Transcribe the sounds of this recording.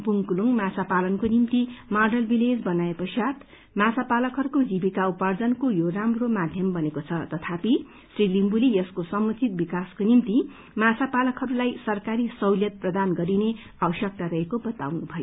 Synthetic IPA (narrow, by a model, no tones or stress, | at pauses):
puŋkuluŋmat͡sapalʌnkonimt̪imarɖʌlbiled͡zbʌnaepʌsat̪ | masapalʌkɦʌɾukod͡zibikaupard͡zʌnkojoramromad̪ʱjʌmbʌnekot͡sʰʌt̪ʌt̪ʰapi | srilimbulijʌskosʌmut͡sit̪̚bikaskonimt̪i | masʰapalʌkɦʌɾulajsʌrkaɾisʌwljʌt̪̚prʌd̪anɡʌɾine | awʌsjʌk̚t̪aɾʌɦekobʌt̪awnubʱʌjo